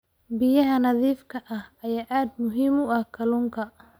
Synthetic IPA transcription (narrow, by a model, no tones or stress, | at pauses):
bɪjɐɦɐnɐðiːfkʰɐʔɐhɐjaːʔaːd̪mʊɦiːmʊɐhkʰɐluːŋkʰɐ